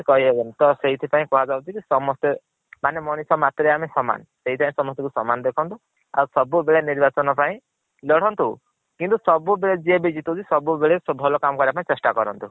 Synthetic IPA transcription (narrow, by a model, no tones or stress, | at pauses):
kɔɦiɦebent̪ɔseɦit̪ʰipaĩkɔɦad͡ʒabut̪ʰikisɔmɔst̪e | manemɔnisɔmat̪ɾeamesɔma̰nseɦit̪ʰipãĩsɔmɔst̪ikusɔmanɔd̪ekʰɔnt̪u | a̰usɔbubeɭeniɾbat͡ʃɔnɔpaĩ | lɔɽ̤ɔnt̪u | kint̪usɔbubeɭed͡ʒiebid͡ʒit̪ud͡ʒ̪isɔbubeɭesɔbʱɔlɔkamɔkɔɾbapaĩt͡ʃesʈakɔɾɔnt̪u